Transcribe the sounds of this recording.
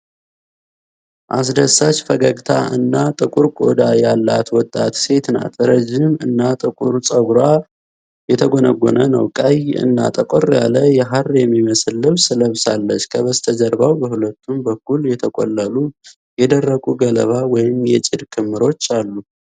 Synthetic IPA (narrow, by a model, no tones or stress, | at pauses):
ʔas̬d̪əsat͡ʃfəɡəɡt̪ʰaʔɨnːat̪ʼɨkʼuɾkʼod̪ajalːat̪wɔt̪ʼːat̪se̞t̪na̰t̪ʰɨɾəd͡ʒːɪmɨnːat̪ʼɨkʼuɾsʼəɡɾa | jɛt̪ʰəɡonəɡːo̰nənə̰wkʼəjɨ̰nːa̰t̪ʼəkʼorja̰ləjɛɦarjɛmːiməslːɨβsɨləβsalːət͡ʃːkʰəβəst̪ʰəd͡ʒəɾbawbəhulət̪ːumbəkːuljɛt̪ʰəkʼɔ̰lːəlu | jɛd̪ərːəkʼuɡələ̰βawɔjɪmjɛt͡ʃʼɪd̪kʰɨmːɨɾo̞t͡ʃːalːu